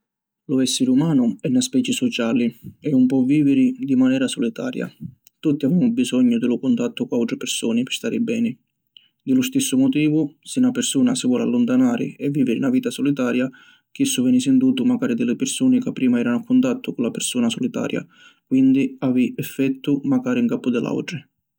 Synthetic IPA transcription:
lʊɛsːɪɾumaːnʊɛnːaspɛːt͡ʃɪsɔt͡ʃaːliɛumpɔviːvɪɾɪd̪imanɛːɾasɔlit̪a̰ːɾja̰ | t̪ut̪ːiaveːmʊbizɔɲːʊd̪ɪlʊkʊnt̪at̪ːʊkʊawt̪ɾɪpɪrsuːnɪpɪ̥st̪aːɾɪbɛːnɪ | d̪ɪlʊst̪isːʊmɔt̪̬iːvʊsɪnapɪrsuːnasɪvwɔla̰lːʊnt̪anaːɾɪ̰ɛvːiːvɪɾɪnaviːt̪asɔlit̪aːɾja | k̟isːʊvɛːnɪsɪnd̪uːt̪ʊmaɡaːɾid̪ɪlɪpɪrsuːnɪkapːɾiːmaɛːɾanʊakːʊnt̪at̪ʰːʊkʊnlapɪrsuːnasɔlit̪a̰ːɾja̰ | kwind̪iaːviɛfːɛt̪ʰːʊmaɡaːɾiŋkapːʊd̪ɪlʔa̰wʈɾɪ

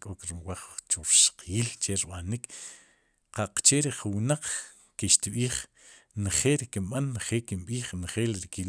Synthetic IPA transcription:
kʼokɾimwaχt͡ʃuɾʃqʰiːlt͡ʃeɾiɓanik | qaq͡χt͡ʃeɾiχuwnaq͡χ | kiʃt̪ɓiːχ | nχeːlɾikimɓanːχeːlkimɓiːχnχeːlɾikil

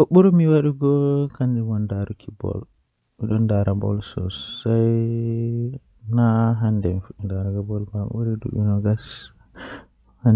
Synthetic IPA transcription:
kɔɓuɾumiwaɗuɡɔkand͡ʒɛwɔndaɾukʰibɔ̰l | miɗɔndaɾabɔ̰lsɔsaj | naɦandɛmifndaɾaɡabɔlmaɓuɾidṵɗinɔɡas | han

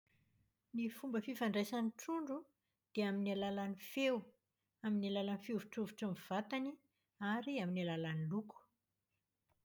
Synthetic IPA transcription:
nifumbəfifaɳɖ͡ʐesaniʈ͡ʂuɳɖ͡ʐu | d̪̥eaminalalanifew | aminalalanifiuvuʈ͡ʂuvuʈ͡ʂəmiv̥at̪ani | aɾiaminalalaniluku̥

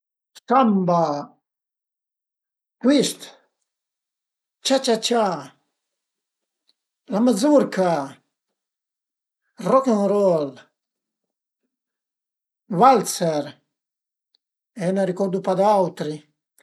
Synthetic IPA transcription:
samba | kwist̪ | t͡ʃat͡ʃat͡ʃa | lamazuɾkʰa | rɔkeŋɾɔl | valt̪sɛɾ | ɛnaɾikɔɾd̪upad̪awt̪ɾi

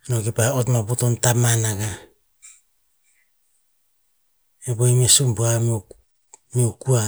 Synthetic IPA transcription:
noɡepaotmabotontamanaɡa | eboimesumbuam | miokua

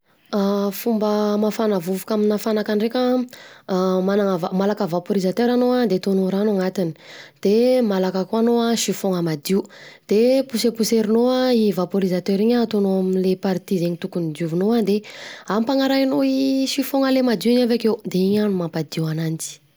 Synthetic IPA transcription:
afumbəmafanavuvukaminafanakaɳrekə | manaŋəvamalakəvapoɾizat̪øɾanoad̪et̪onoɾanoŋat̪ini̥d̪̥emalakəkoanoaʃifoŋəmad̪iud̪̥epusepuseɾinoaivapoɾizat̪øɾiɲət̪onoaminlepaɾt̪izeɲit̪ukunid̪uvunoad̪eampaŋaɾajnoiʃifoŋəlemad̪iuɲavekewd̪eiɲanumampad̪iwanant͡si̥

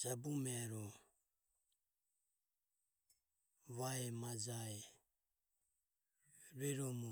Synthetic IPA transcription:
d͡ʒabumɛɾɔ | vaɛmad͡ʒaɛ | ɾɛɾɔmu

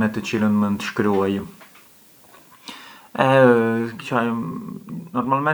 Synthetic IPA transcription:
mɛt̪ət͡ɕilənmənt̪ə̥ʃkɾuaj | ɛkt͡ʃaj | nɔɾmalmɛ

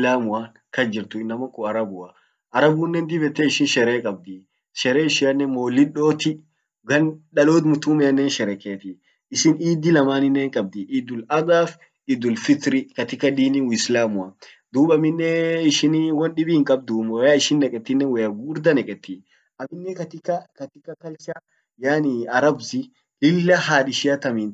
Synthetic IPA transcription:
laːmʊa | kɐd͡ʒɪɾt̪ʊɪnːɐmɐkɔɐɾɐbʊɐ | ʔɐɾɐbʊːnːɛnd̪ɪbɛt̪ːɛɪʃɪnʃɛɾeːkʼɐb̚d̪i | ʃɛɾeːɪʃɪjɐnːɛmoːlːɪᶑoːt̪ɪ | ɡɐnɗɐloːt̪mʊt̪uːmɛɐnːɛːnʃɛɾɛkeːt̪ɪ | ɪʃɪniːd̪ːɪlɐmaːnɪnːeːŋkʼɐb̚d̪iʔɪd̪ʊlɐɡaːf | ɪd̪ʊlfɪt̪ɾɪkɐt̪ɪkːɐd̪iːniwislaːmʊɐ | d̪uːbɐmɪnːɛɪʃɪniwɔnɗɪbɪhɪŋkʼɐb̚d̪umwjaːɪʃɪnːɛkʼɛt̪ːɪnːɛwɐjɐɡuːɾd̪ɐnɛkʼɛt̪ːi | ʔɐmɪnːɛkɐt̪ɪkːɐkɐt̪ɪkːɐkɐlt͡ʃɐ | jaːnɪɐɾɐbzɪ | lɪlːɐhaːᶑɪʃɪjɐt̪ɐmin

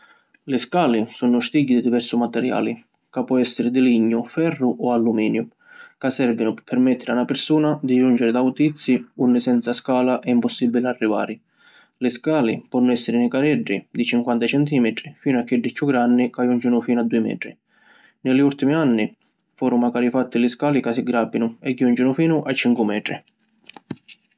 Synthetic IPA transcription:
lɪskaːlɪsunʊst̪iɟːid̪id̪ivɛrsʊmat̪ɛɾja̰ːlɪ | kapːɔɛsːɪɾɪd̪ɪliɲːʊfɛrːʊʔɔalːumiːnjʊ | kasːɛrvinʊpɪpʰːɛɾmɛt̪ːɪɾɪanapɪɾsuːnad̪id͡ʒund͡ʒɪɾɪd̪aut̪it̪sːiunːɪsɛnt̪saskaːlaʔɛimpɔsːibːilɪarːiva̰ːɾɪ | lɪskaːlɪpɔnːʊɛsːɪɾɪnɪkaɾɛɖːid̪it͡ʃiŋkwant̪at͡ʃɛnt̪iːmɛt̪ɾifiːnʊakːɪɖːɪkʰːjuɡːɾanːikajund͡ʒɪnʊfiːnʊad̪ːuːɪmɛ̰ːt̪ɾḭ | nɪlɪult̪imianːi | fuːɾʊmaɡaːɾifat̪ːɪlɪskaːlikasiɡɾabːinʊɛɡjund͡ʒɪnʊfiːnʊʔat͡ʃːiŋkwʊmɛːt̪ɾi

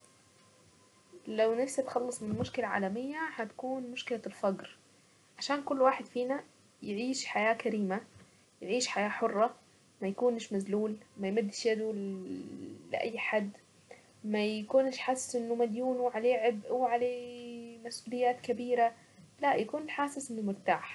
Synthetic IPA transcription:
lawnɪfsat̪xɑlːɑsˤmɪnnmʊʃkɪlaʕa̰ːlæmɪjːahat̪ḁkuːnmʊʃkɪlalfɑɡɾ | ʕaʃaːnkʊlːwaːħɪd̪fiːna | jɪʕiːʃħajaːkæɾiːma | jɪʕiːʃħajaːħorˤːɑ | mæjakuːnʃmazluːlmajmad̪ːɪʃjad̪u | lɪ̰ʔa̰jːħad̪ː | majkuːnɪʃħaːsɪ̥sʔɪnːʊmad̪juːnuʕaleːʕɪbʔwʕaleːmasʔuːlɪjːaːt̪kabiːɾa | laʔjakuːnɪlħaːsɪsʔɪnːʊmɪɾt̪aːħ

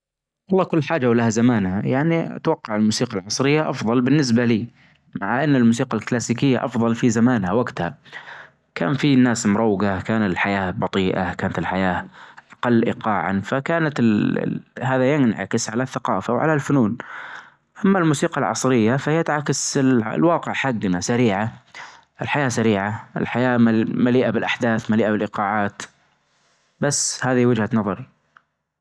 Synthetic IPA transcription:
ʔɑlˤːɑːkʊlːħaːd͡ʒawlahazamaːnhajaʕnia̰t̪wɑqːɑʕɪlmuːsiːqɑlʕɑsˤɾɪjːaʔɑfðˤɑlbɪnːɪs̬baliː | maʕaʔanːɪlmuːs̬iːqalklaːsiːkɪjːaʔɑfðˤɑlfizamaːnhawaɡt̪ha | ka̰ːnfinːaːsmʊɾˤɑwːɡakaːnat̪ɪlħajaːbɑt̪ˤiːʔa̰kaːnat̪ɪlħajaːʔʔɑqɑlːʔɪ̰qɑːʕa̰nfakaːnat̪ | haːðajɪnʕa̰kɪsʕalaθːaqɑ̰ːfawʕa̰lalfʊnuːn | ʔamːalmuːsiːqɑlʕɑ̰sˤɾɪjːafajat̪ʕakaslwɑːqɪʕħaɡːnasaɾiːʕa | ʔɪlħajaːsaɾiːʕaʔɪ̰lħajaːmmaliːʔabɪlʔaħd̪aːθmaliːʔabɪlʔɪqɑːʕaːt̪ | basːhaːðiwɪd͡ʒhanɑðˤɑɾˤ

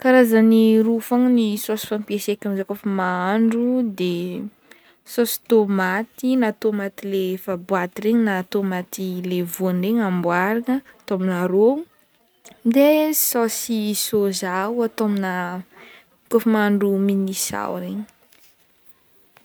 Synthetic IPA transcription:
kaɾazaniɾufaŋnisosi̥fampiesekanzakofamaaɳɖ͡ʐud̪e | sosi̥t̪omat̪inat̪omat̪ilefabwat̪iɾeɲinat̪omat̪ilevoanreɲambwaɾiŋəat̪ominaɾo | d̪esosisozawat̪omina | kofəmaaɳɖ͡ʐuminisa̰wɾeɲi̥

